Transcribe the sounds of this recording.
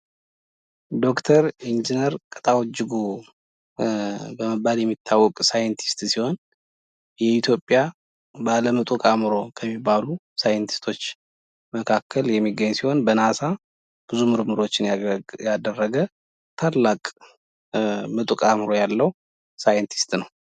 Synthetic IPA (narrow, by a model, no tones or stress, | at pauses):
d̪o̞kt̪ʰəɾind͡ʒinəɾkʼət̪ʼawɔd͡ʒːɨɡu | bəməbːaljɛmːit̪ʰːawɔkʼsajɛnt̪ʰi̥st̪siho̞n | jɛit̪ʰjo̞pʼːja | baləmɨt̪ʼukʼamɨɾo̞kʰəmːibːalu | sajɛnt̪ʰi̥st̪ʰo̞t͡ʃː | məkʰakʰːəljɛmːiɡːəɲːsiho̞nbənasa | b̥ɨzumɨɾmɨɾo̞t͡ʃːɪnjad̪ərːəɡə | t̪ʰalːakʼ | mɨt̪ʼukʼamɨɾo̞jalːəw | sajɛnt̪ʰi̥st̪nəw